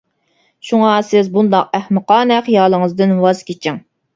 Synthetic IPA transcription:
ʃuŋɑsɪzbund̪ɑq̚æhmɨqɑːnɛqjɑːlˠəŋəzd̪ɪnwɑz̥kʲʰet͡ʃʰɪŋ

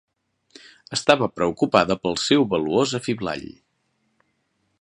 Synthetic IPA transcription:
əst̪aβəpɾəukupaðəpəlˠsɛwβəluozəfiβla̰ʎ

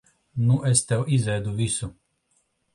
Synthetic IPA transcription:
nuʔɛst̪ɛwʔizɛd̪uvisu

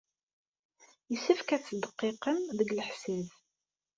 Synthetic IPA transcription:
jəsifkæt͡sːd̪əqːɪqəmðəɡləħsið

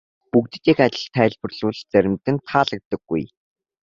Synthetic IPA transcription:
pukt̪ɘ̆t̪ixat͡ɕɪ̆ɮt̪ʰːæːɮpɵ̆rɮʊːɮt͡sæɾʲɪ̆mt̪ɘ̆nt̪ʰaːɮə̆k̚t̪ə̆ɡːṵj

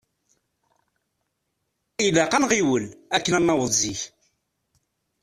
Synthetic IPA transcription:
ilæqɑnʁiwəlækːənæmːɑwəziç

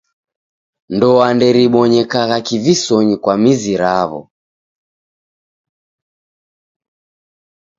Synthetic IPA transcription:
ndɔandɛɾiɓɔɲɛkaɣakivisɔɲikwamiziɾaβɔ̰

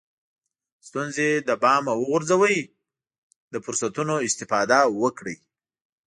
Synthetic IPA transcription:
st̪unzed̪əbɑmawəɣʊɾzawəj | d̪əfʊɾsat̪unoɪst̪ɪfɑd̪awəkɽəj

